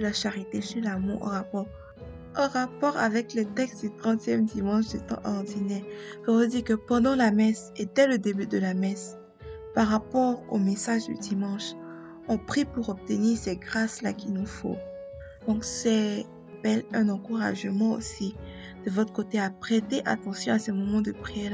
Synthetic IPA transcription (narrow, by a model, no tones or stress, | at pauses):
əlaʃaʁit̪esylamṵʁɑ̰̃ʁapɔʁ | ɑ̃ʁapɔʁa̰vɛklət̪ɛkst̪d̪yt̪χɑ̃t̪jɛmd̪imɑ̃ʃd̪yt̪ɑ̰̃ʔɔʁd̪inɛʁkavud̪ikəpɑ̃d̪ɑ̃lamɛs | ed̪ɛləd̪ebyd̪əlamɛs | paʁapɔʁo̰mesaʒd̪y̰d̪imɑ̃ʃ | ɔ̃pχipuʁɔb̚t̪əniːʁsɛɡʁasla̰kʲinufo̰ | d̪̥ɔ̃ksɛ | b̥ɛlɛ̃nɑ̃kuʁa̰ʒəmɑ̃o̰si | d̪̥əvɔt̪χəkot̪eapχet̪eʔa̰t̪ɑ̃sjɔ̃asɛmɔmɑ̃d̪əpχi